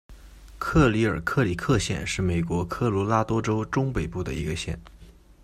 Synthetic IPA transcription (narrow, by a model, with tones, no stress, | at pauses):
kʰɤ˥˩li˧˥ə˞˨˩kʰɤ˥˩li˨˩kʰɤ˥˧ɕjɛ̰˥˧nʂɻ̩˥˩me˨˩ɪkwɔ˧˥kʰɤ˥˩lɔ˧˥la˥t̪wɔ˥ʈ͡ʂo˥ʊʈ͡ʂʊ˥ŋpe˨˩ɪpu˥˩d̪ə̰˩ḭ˧˥ɡə˧ɕjɛ̰˥˩n